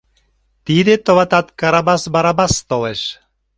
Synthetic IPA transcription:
t̪id̪et̪oβɑt̪ɑt̪kɑɾabɑsbɑɾabɑst̪olˠeʃ

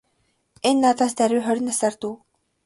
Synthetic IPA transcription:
enːat̪ast̪æɾʲuːχœɾ̆ʲnasart̪uː

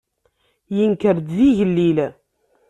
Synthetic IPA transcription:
jənkəɾd̪ziʝəlːil

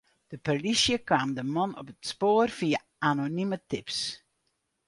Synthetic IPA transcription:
d̥əpərlisjəkʋaːmdəmɔnɔ̰pətspoːərv̥iə | anonimətɪps

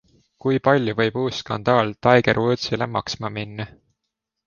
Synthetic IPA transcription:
kujpɑlʲjuvɤ̞jbuːsːkɑnd̪̥ɑːlt̪ɑjɡ̥eɾot̪silemɑksmɑminːɑ

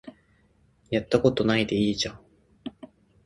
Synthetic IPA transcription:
jat̪ːako̞t̪o̞naid̪e̞iːʑãŋ

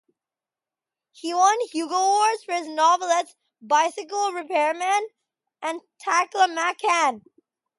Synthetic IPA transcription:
hiwʌ̃nhjuɡəwɔɹz̥fə˞ɨznɑvəl̩ˠəts | baɪsɨk̬l̩ˠɹɨpʰɛɹmɛ̃n | ʔɨ̃ntʰækləmækʰæ̃n

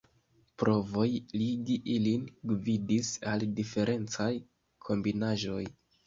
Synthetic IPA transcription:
pɾʔo̞vo̞jliɡiʔilinɡvidisaldife̞ɾʔe̞nt͡saj | kʰo̞mbinaʒo̞j

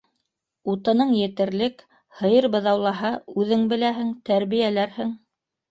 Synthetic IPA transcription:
ut̪ɤ̆nɤɴjɘ̆t̪ɘ̆ɾlɘk | hɤ̆jɤɾbɤ̆ðɑwlˠɑɦɑʉðɘŋbɘ̆læɦɘŋt̪æɾβijælæɾhɘŋ

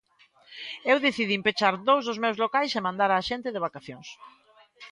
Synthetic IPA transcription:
ewðeθiðimpet͡ʃaɾðowzðʊzmewzlokajsemãnd̪aɾaːʃent̪ɪðeβ̞akaθjoŋs

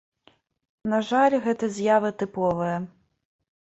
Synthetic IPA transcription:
nɐʐalʲɣɛt̪ɐzʲjavɨt̪ɨpɔvɨjɐ

